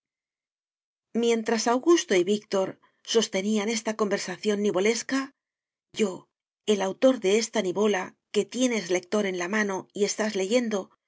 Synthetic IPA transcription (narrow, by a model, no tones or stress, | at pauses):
mjẽ̞nt̪ɾasawɣust̪o̞iβikt̪o̞ɾ | so̞st̪e̞niane̞st̪ako̞mbe̞ɾsaθjo̞nːiβo̞le̞ska | ɟ͡ʝo̞ | e̞lawt̪o̞ɾðe̞est̪aniβo̞la | ke̞t̪je̞ne̞zle̞k̚t̪o̞ɾe̞nlamano̞ie̞st̪azle̞ʝe̞nd̪o̞